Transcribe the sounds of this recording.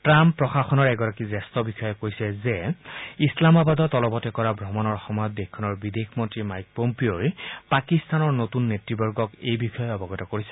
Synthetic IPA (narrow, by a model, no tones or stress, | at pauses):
tɹampːɹɔxaxɔnɔɹɛɡɔɹakizɛstɔbixɔjɔkoɹisɛzɛislamabadɔtɔlɔbɔtɛkɔɹabʱɹɔmɔnɔɹxɔmɔjɔt̚dɛkʰːɔnɔɹbidexmɔntɹimajk̚pompioɹpakistanɔɹnotunːetɹibɔɹɡɔkejbixɔjɔɔbɔɡɔtɔkoɹisɛ̥